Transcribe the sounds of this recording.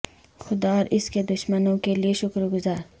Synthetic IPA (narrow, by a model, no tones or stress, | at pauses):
xʊd̪aɔːɾʔɪsked̪ʊʃmənõkelieʃʊkɾɡʊzaːɾ